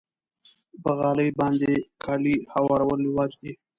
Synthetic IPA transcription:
pəɣɑləjbɑnd̪ekʰɑlihawɑɾawəlwɑd͡ʒd̪i

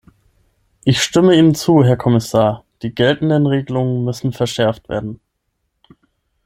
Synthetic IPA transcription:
ʔɪçʃtɪməiːnət͡suːɦɛɐkʰɔmɪsaːɐd̥iːɡɛltn̩dənʁeːɡəlʊŋənmʏsn̩fɛɐʃɛɐftv̥ḛːɐdn̩

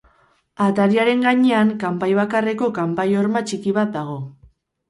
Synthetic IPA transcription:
at̪aɾiaɾe̞ŋɡaɲe̞aŋkampajβakare̞ko̞kampajo̞ɾmat͡ʃikiβat̪̚d̪aɣ̞o̞

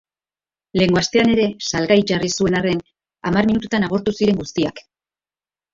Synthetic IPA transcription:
le̞ŋɡo̞ast̪e̞ane̞ɾe̞salɣajt͡ʃarisue̞nare̞n | amarminut̪ut̪anaɣ̞o̞ɾt̪usiɾe̞ŋɡust̪iak

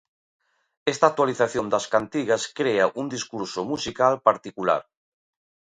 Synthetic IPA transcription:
ɛst̪ak̚t̪waliθaθjond̪ɐskant̪iɣɐskɾeaʔund̪iskuɾsomusikalpaɾt̪ikula̰ɾ

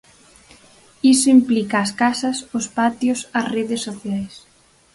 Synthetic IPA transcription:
isoimplikaːskasɐsʊspat̪josɐsreðesːoθjajs

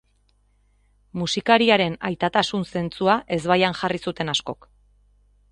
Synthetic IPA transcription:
musikaɾiaɾe̞najt̪at̪asunse̞nt͡suaʔe̞zβajanʝarisut̪e̞nasko̞k

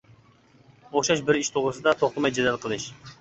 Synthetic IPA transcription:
oχʃɑʃbɪɾiʃt̪ʰoʁɾɨsɨd̪ɑt̪ʰoχt̪əmɑjd͡ʒɛd̪ɛlˠqʰəlˠɨʃ

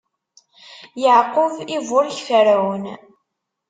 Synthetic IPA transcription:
jəʕqʊvivʊɾçfəɾæwən

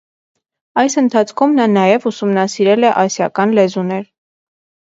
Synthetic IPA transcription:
ɑjsənt̪ʰɑt͡sʰkʰumnɑnɑjɛvusumnɑsiɾɛlɛʔɑsjɑkɑnlɛzunɛɾ

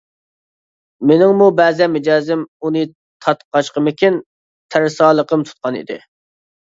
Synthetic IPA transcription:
mɪnɪŋmubɛːzɛnmed͡ʒɑːzɪmunɨ | t̪ʰɑt̪qʰɑʃqəmɪkʲin | t̪ʰæɾsɑːlˠəqəmt̪ʰu̥t̪̚qʰɑnḭd̪ɪ̰

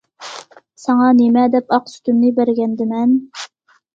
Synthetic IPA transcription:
sɑŋɑnemɛd̪ɛpɑqsy̥t̪ymnɪbæɾɡʲɛnd̪ɪmɛn

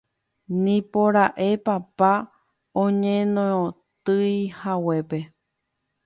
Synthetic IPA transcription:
nĩpoɾaʔe̞papa | õɲẽnõ | t̪ɨjhawe̞pe̞

